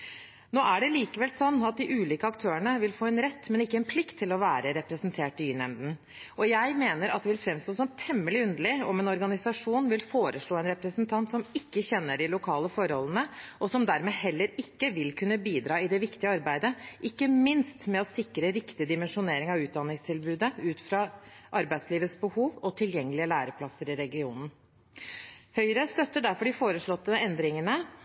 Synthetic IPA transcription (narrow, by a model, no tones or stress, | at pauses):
noːʔæɖɛliːkəʋɛlsɔnːɑt̪̚d̪ɪʔʉːliːkəɑkt̪ʰøːəɳəʋɪlfoːɛnɾɛt̪ːmɛnɪkːəɛnpʰlɪkt̪ʰːɪlɔʋæːɾəɾɛpɾəsnt̪ʰeːʈɪynɛ̰nd̪n̩ | ʔɔjæɪmeːnəɾɑt̪d̪ɛʋɪlfɾɛmst̪oːsɔmt̪ʰɛmːəlɪʉnd̪əɭɪɔmɛnɔɾɡɑnɪsɑʂuːnʋɪlfoːɾəʂɭoːɛnɾɛpɾəsnt̪ʰɑnt̪sɔmɪkːəçɛnːəɖɪlʊkʰɑːləfɔɾhɔ̰lːənəʔɔsɔmd̪æɾmeːhɛlːəɾɪkːəʋɪlkʰʉnːəbiːd̪ɾɑːɪd̪ɛʋɪkt̪ɪəɑɾbæɪd̪əʔɪkːəmɪnst̪mɛɔsɪkɾəɾɪkt̪ɪd̪ɪmɛnʂʊneːɾɪŋɑʋʉːt̪̚d̪ɑnːɪŋst̪ʰɪlbʉːd̪əʉːt̪fɾɑʔɑɾbæɪsliːʋəsbəhuːʋɔt̪ʰɪljɛŋːəlɪəlæːɾəpʰlɑsːəɾɪɾɛɡɪuːnn̩ | hœʏɾəst̪œt̪ːəɖæɾfɔɖɪfoːɾəʂɭɔt̪ːəɛnd̪ɾɪŋənə